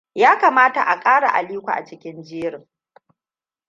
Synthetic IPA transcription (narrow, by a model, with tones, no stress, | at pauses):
jaː˦kaː˨maː˦ta̰˨ʔa˨kʼaː˦ɽa̰˨ʔa̰˨liː˦kʷa̰˨ʔa̰˨t͡ʃɪ˦kʲɪ˦nd͡ʒeː˦ɽɪ˨ŋ